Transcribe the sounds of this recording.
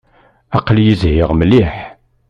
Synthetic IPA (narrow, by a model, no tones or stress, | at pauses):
ɑqːljizhɪʁməliħ